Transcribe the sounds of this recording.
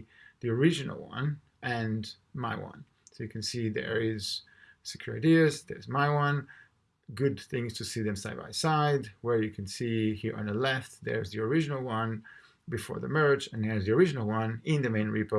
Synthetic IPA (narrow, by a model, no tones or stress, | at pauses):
ðiəɹɪd͡ʒɨnə̰lˠwʌ̰̃n | ʔɨ̃n | maɪwʌ̰̃n | soʊjɨkʰɨ̃nsiðə̰˞ɪz̥ | sɨ̥kʰj̥ʊɹaɪdizðɛ̰˞zmaɪwʌ̃n | ɡʊd̪̚θɪ̃ŋz̥tʰusiðɨ̃msaɪd̚ba̰ɪsaɪdwə˞jɨkʰɨ̃nsihiɹə̰̃nðəlɛft̪ðə̰ɹzðiəɹɪd͡ʒɨnəl̩ˠwʌ̃n | bɨfɔ̰ɹðə̰mɜ˞d͡ʒɨ̃nðəɹzðiəɹɪd͡ʒɨnəl̩ˠwʌ̃nɪ̃nðɨmẽɪ̃nɹipə